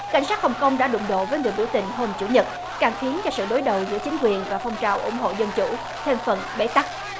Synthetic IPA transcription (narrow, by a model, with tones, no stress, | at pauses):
ka̰˧˥jŋ̟saː˦˥t̚hə˨˩wŋ͡mkə˧wŋ͡mɗa̰ː˧˥ɗʊ̰˧˨ŋ͡mɗo̰˧˨vəː˨˦jŋɨ˨˩əjɓi˧˩wt̪ï˨˩ŋ̟ɦo˧mt͡ɕṵ˧˩ɲə˨˩t̚ | kaː˨˩ŋxi˨˦ənt͡ɕɔ˧sɨ̰˧˨ɗo˨˦jɗə˨˩wzɨ̰˧˥ət͡ɕï˨˦ŋ̟kwi˨˩ənvaː˨˩fɔ˧wŋ͡mt͡ɕaː˨˩wʔʊ̰˧˩ŋ͡mɦo̰˧˨zə˧nt͡ɕṵ˧˥ | t̪ʰe˧mfə˨˩nɓḛ˧˥t̪a˦˥k̚